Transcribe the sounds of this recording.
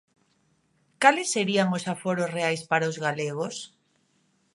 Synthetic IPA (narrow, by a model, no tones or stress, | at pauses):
kalɪsːeɾiaŋosafoɾosreajspaɾaozɣaleɣ̞os